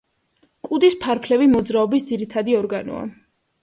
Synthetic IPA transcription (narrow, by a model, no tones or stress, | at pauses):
kʼud̪ispʰaɾpʰlɛvimɔd̪zɾaɔbisd̪ziɾit̪ʰad̪iɔɾɡanɔ̰a̰